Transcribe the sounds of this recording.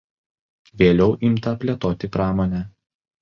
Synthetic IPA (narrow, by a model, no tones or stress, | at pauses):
ʋʲeːlʲɛʊʔɪmt̪ɐpʲlʲɛt̪oːt̪ʲɪpɾɑːmoːnʲɛ